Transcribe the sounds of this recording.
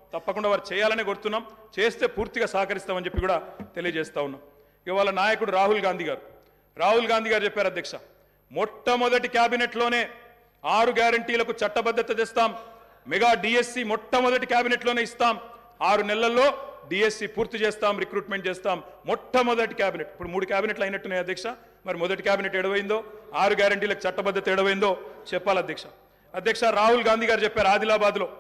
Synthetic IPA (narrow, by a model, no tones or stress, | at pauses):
t̪ɐpːɐkuɳɖaːʋaːɾit͡ʃɛːjaːlɐneːɡoɾut̪unːaːmt͡ʃe̞ːst̪e̞ːpuːɾt̪iɡaːsaːkɐɾist̪aːmɐnd͡ʒe̞pːikuːɽaːt̪e̞lijɐd͡ʒɛːst̪aːwunːaːm | iʋaːlɐnaːjɐkuɽuɾaːɦulɡaːnd̪iɡaːɾu | ɾaːɦulɡaːnd̪ʱiɡaːɾut͡ʃɛpːaːɾɐd̪ʱjɐkʂɐ | mɔʈːɐmɔd̪ɐʈikjaːbineʈlo̞ːne̞ː | aːɾuɡjaːɾɐɳʈiːlɐkut͡ʃɐʈːɐbɐd̪ʱːɐt̪ɐt͡ʃeːst̪aːmː | ɛɡaːɖiːesːiːmɔʈʰːɐmɔd̪ɐʈikjaːbineʈlo̞ːne̞ːist̪aːm | aːɾunɛlːɐlːo̞ːɖiːesːiːpuːɾt̪it͡ʃeːst̪aːmɾikɾuːʈmeɳʈ̚t͡ʃɛːst̪aːmːɔʈʰːɐmɔd̪ɐʈikjaːbineʈipːuɽumuːɽukjaːbineʈlɐjnɐʈːunaːjɐd̪ʱjɐkʂɐ | mɐɾimɔd̪ɐʈikjaːbineʈɛɽɐʋɐjind̪o̞ːaːɾuɡjaːɾɐɳʈiːlɐku̥t͡ʃɐʈːɐbɐd̪ːɐt̪ɐiɽɐʋɐjind̪o̞ːt͡ʃɛpːaːlɐd̪ʱjɐkʂɐa | ɐd̪jɐkʂaɾaːɦulɡaːnd̪iːɡaːɾut͡ʃɛpːaːɾaːd̪ilaːbaːd̪lo̞ː